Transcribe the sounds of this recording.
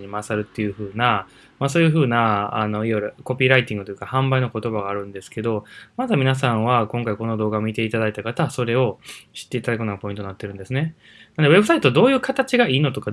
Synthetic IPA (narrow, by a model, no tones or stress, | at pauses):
ɲimasaɾɯ̟t̪ːe̞jɯ̟ɸɯ̟ːna | maso̞ːjɯ̟ɸɯ̟ːnaːno̞ijoɾɯ̟ko̞pʲiːɾait̪ĩŋɡɯt̪ojɯkahãmbaino̞ko̞t̪o̞baɡaːɾɯ̟̃nd̪e̞sɨ̥ke̞d̪o̞mazɨmʲinas̬ãɰ̃βakõ̞ŋkaiko̞no̞d̪o̞ːɡamʲit̪e̞it̪ad̪ait̪akat̪aso̞ɾe̞o̞ɕi̥t̪ːe̞it̪ad̪akɯ̟noɡapo̞ĩnt̪o̞nat̪ːe̞ɾɯ̟nd̪e̞sɨne̞ | nand̪ee̞bɯsait̪oad̪o̞ːjɯ̟ːkat̪at͡ɕiɡaʔiːno̞t̪o̞ka